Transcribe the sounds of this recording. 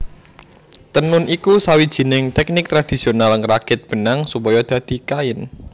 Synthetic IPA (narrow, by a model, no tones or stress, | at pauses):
t̪ənʊnʔikusawid̥ʒ̥i̤nɪŋt̪ɛk̚nɪk̚t̪ɾad̥i̤sionalŋrakɪt̪̚b̥ə̤naŋsupɔjɔd̪̥ä̤d̪̥i̤kaɪn